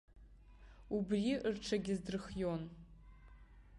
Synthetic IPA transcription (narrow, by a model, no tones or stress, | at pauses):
ubriʔrʈ͡ʂʰaɡʲɪzdɨrχjon